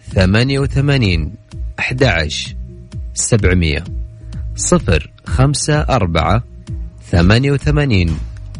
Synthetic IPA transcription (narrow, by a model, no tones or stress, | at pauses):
θamaːnjawθamaːniːnʔaħd̪aʕa̰ʃ | sabʕmɪ̰jːa̰ | sˤɨfɾ | xamsaʔɑɾˤba̰ʕaθamaːnjawθamaːniːn